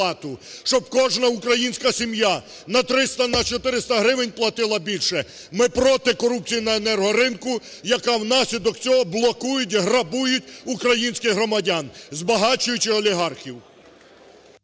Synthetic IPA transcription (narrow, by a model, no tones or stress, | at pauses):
ɑt̪ʊʃt͡ʃɔb̚kɔʒnɐukɾɐjinʲsʲkɐsʲimja | nɐt̪ɾɪst̪ɐnɐt͡ʃɔt̪ɪɾɪst̪ɐɦɾɪʋɪnʲplˠɐt̪ɪlˠɐbʲilʲʃɛ | mɪpɾɔt̪ɪkɔɾup̚t͡sʲijnɐenɛrɦɔɾɪnkʊ | jɐkɑwnɑsʲlʲid̪ɔk̚t͡sʲɔɦɔblˠɔkujʊtʲɦrɐbujʊtʲukɾɐjinʲsʲkɪɦɾɔmɐdʲanzbɐɦɑt͡ʃʊjʊt͡ʃʲɪɔlʲiɦɑrxʲiw